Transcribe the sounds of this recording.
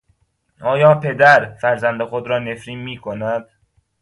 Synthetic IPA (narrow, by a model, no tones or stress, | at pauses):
ʔɒːjɒːpʰe̞d̪æɾfæɾzænd̪exod̪ɾɒːne̞fɾiːnmiːkʰonæd̪̥